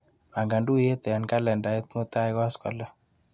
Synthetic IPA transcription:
a˨ŋɡa˨ndu˦je˦t̪ɛ˨a˨nka˦lɛ˨nda˨i˦t̪̚ŋo˦t̪a˦jkwa˦skɔ̰˨la˦

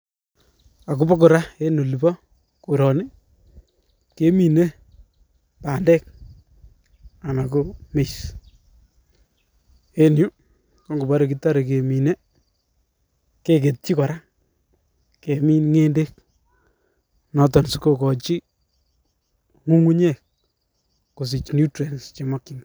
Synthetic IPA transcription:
a˨ku˦bɔ˦k̬ʊ˨ɾa˦e˦no˨li˨bɔ˦ | ku˨ɾɔ˨ni˦ | ke˦mi˨ne˦ | paː˨ndɛ˦k̚ | a˨na˨ko˨me˨s | e˦nju˦ | kɔ˦ŋɡo˨ba˦ɾe˨ki˦ta˦ɾe˨ke˨mi˨ne˦ | ke˨ke˨t̚t͡ʃi˦kɔ˨ɾa˦ | ke˨mi˦nŋe˦nde˦k̚ | nɔ˨tɔ˨nsu˨ko˨kɔ˨t͡ʃi˦ | ŋu˦ŋu˦ɲɛ˦˨k̚ | ko˨s̬i˨t͡ʃnju˦tɾe˨nst͡ʃe˨mɔ˦kːi˨ŋɡ

